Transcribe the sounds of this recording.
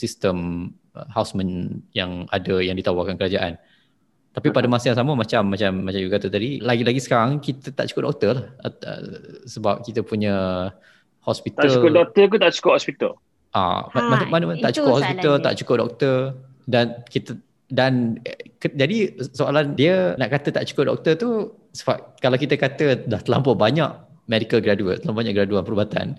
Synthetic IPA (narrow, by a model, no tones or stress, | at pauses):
sist̪əm | əhawsmənjaŋa̰dəjaŋdit̪awakankəɾad͡ʒaʔa̰n | t̪apipadamasəjaŋsaməmat͡ʃamːat͡ʃamːat͡ʃad͡ʒukat̪ət̪adilaɡilaɡisə̥kaɾaŋkit̪ət̪aʔt͡ʃu̥kʊp̚dɔk̚t̪əlahə̰ə̰səbap̚kit̪əpuɲə | hɔspit̪əulkʊdɔk̚t̪ək̪ut̪aʔt͡ʃu̥kʊhɔspit̪əl | ʔa̰mmanmanəmant̪aʔt͡ʃu̥kʊphɔspit̪əlt̪a̰ʔt͡ʃu̥kʊp̚dɔ̰k̚t̪ə | dankit̪ə | dankəd͡ʒadisoalandiənaʔkat̪ət̪aʔt͡ʃu̥kʊp̚dɔ̰k̚t̪ət̪u | səbap̚kalawkit̪əkat̪əlaht̪əla̰mpʊbaɲa̰ʔ | mɛdikəlɡɾaduə̰t̪t̪əlabaɲãʔɡəɾaduanpəɾubat̪a̰n